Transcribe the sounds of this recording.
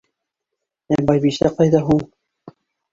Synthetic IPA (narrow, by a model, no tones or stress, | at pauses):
æbɑjβiʃæqɑjðɑɦuɴ